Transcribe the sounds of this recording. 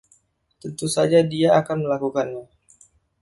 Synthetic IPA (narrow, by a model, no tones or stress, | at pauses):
t̪ənt̪usad͡ʒadiaakanməlakukanɲa